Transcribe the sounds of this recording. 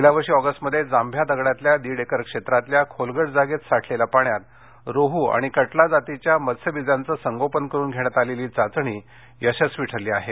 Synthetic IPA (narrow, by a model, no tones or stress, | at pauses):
ilaʋəɾʂiːɔɡəsʈməd̪ʱːjed͡zambʱjad̪əɡɽat̪ljad̪iːɽekəɾkʂet̪ɾat̪ljakʰolɡəɽd͡zaɡet̪saʈʰlelapaɳjat̪̚ | ɾoɦuːa̰ɽ̃ikəʈlad͡zat̪it͡ɕjaməsʰəbid͡zant͡səːsəŋɡopənkəɾuːnɡʱeɽ̃jat̪aleliːt͡sat͡sɳ̃iː | jəɕəsʋiʈʰəɾliːaɦe